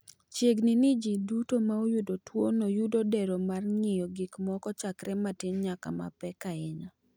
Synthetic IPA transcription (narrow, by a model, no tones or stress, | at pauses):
t͡ʃjeɡnɪnid͡ʒidutomaojʊdotwonojudodɛɾomarŋɪjɔɡikmɔkɔt͡ʃakɾʔɛmatɪɲɲaka̰ma̰pɛkaɪɲa